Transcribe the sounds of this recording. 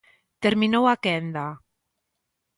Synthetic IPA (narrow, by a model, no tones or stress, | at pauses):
t̪eɾminowakɛnd̪a